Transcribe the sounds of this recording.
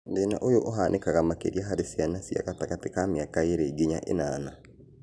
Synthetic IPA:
ndeːna̰ʔojoʔoɦanʔekaɣamakḛɾiaɦaɾesianasia̰ɣataɣatekameakaeɾeɡeɲa̰ʔḛnaːna

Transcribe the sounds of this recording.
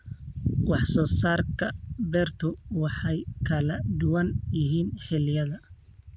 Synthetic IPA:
wɑħsɔːsaːrkʰɐbɛːrt̪ʰʊwɑħɑjkʰɐlɐd̪ʊwɐnjɪɦiːnħɪlɪjɐðɐ

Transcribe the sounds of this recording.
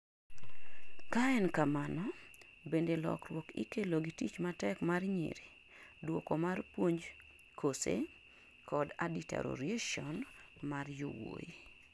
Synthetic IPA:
kaɛnkamanɔ | bendelɔ̰krwɔkḭkeloɡitit͡ʃmatɛkmarɲḭɾi | dwokɔmarpwoɲd͡ʒ | kʰosḛ | kɔdadita̰ɾo̰ɾieʃɔn | marjuwo̰ji

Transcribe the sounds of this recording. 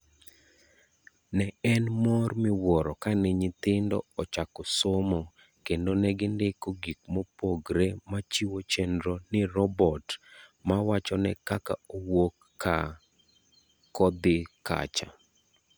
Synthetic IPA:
nɛɛnmɔrmɪwɔɾɔkaniɲɪt̪ɪndɔ̰ɔt͡ʃakɔsomɔ | kendonɛɡɪndekoɡik̚mɔpoɡɾemat͡ʃiwot͡ʃendɾonɪɾɔbɔtmawat͡ʃɔnɛkakaowokː | a | kɔd̪ɪka̰t͡ʃa̰

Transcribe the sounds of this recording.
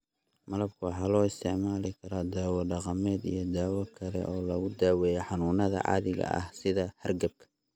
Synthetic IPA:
mɐlɐb̚kʰʊwɑħɑːlɔːɪst̪ʰɛʕmaːlɪkʰɐɾɔːd̪aːwɐɖɑqɑmɛːd̪ḭjɞd̪aːwɐkʰɐlɛ̰ʔɔːlɐɣʊd̪aːwɛːjɛħɑnuːnɐðɐ̰ʕɑ̰ːðɪɣɐ̰ʔɐ̰hsɪðɐhɐrɡɐb̚kʰɐ̥

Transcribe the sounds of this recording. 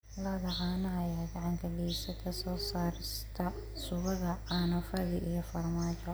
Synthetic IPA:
lɐðɐʕɑːnɐɐjaːɡɑʕɑŋkʰɐɖisɐkʰɐsɔːsaːɾɪst̪ʰɐ | sʊβɐðɐʕɑnɐfɐðɪʔijɔfɐrmaːt͡ʃɔ

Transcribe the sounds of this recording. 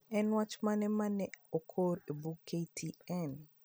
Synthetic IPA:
ɛnwat͡ʃmanɛmanɛokʰoɾebukʰːetʰiɛn

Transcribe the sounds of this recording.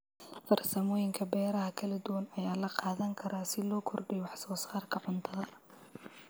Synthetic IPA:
fɐrsɐmɔːjɪŋkʰɐbɛːɾɐɦɐkʰɐlɐd̪ʊwɐnɐjaːlɐqɑːðɐŋkʰɐɾaːsɪlɔːkʰɔrɖɛjwɑħsɔːsaːrkʰɐʕʊnt̪ʰɐðɐ

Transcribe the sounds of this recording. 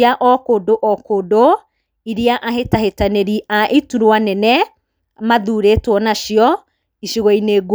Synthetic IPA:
aʔɔkodoʔɔkodo | iɾiaʔaɦetahetaneɾiʔaʔituɾwanɛnɛ | maðuːɾetwɔnaʃjɔ | iʃiɣɔineːɡ

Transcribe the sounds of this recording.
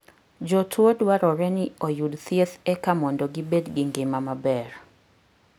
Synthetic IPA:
d͡ʒɔtʰwodwaɾɔɾɛniojudt̪ieθɛkamɔndɔɡibedɡɪŋɡɪmamabɛr

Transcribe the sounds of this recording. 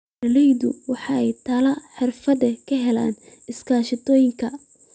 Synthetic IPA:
ɐlɛjðʊ̰wɑħɑɛjt̪ʰaːlɐħɪrfɐðɐkʰɐɦɛlaːn | ɪskʰaːʃɪt̪ʰɔːjɪŋkʰɐ

